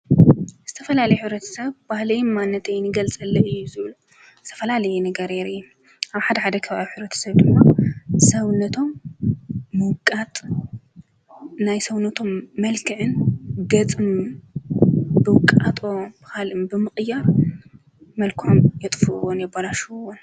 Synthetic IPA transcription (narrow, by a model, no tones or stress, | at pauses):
z̥ɨt̪ʰɐfɐlalɐjħɨβɾɐt̪ʰɐ̥sɐβbahlɐjmanːɐt̪ʰejnɨɡɐlt͡sʼɐlːɐʔɨjːuzɨβlu | zɨ̥t̪ʰɐfɐlalɐjɛnɐɡɐɾeɾɨju | ʔaβħad̪ɐħad̪ɐkʰɐβaβiħɨβɾɐt̪ʰɐ̥sɐβd̪ɨmːasɐwnɐt̪ʰo̞mː | ɨwkʼat̪ʼ | najsɐwnɐt̪ʰo̞mːɐlkʰɨʕɨnɡɐt͡sʼɨm | bɨwkʼat̪ʼo̞b̥ɨxalɨmbɨmɨχʼjaɾ | mɐlkʰomjɛt̪ʼfɨʔwonjɛbɐlaʃuwon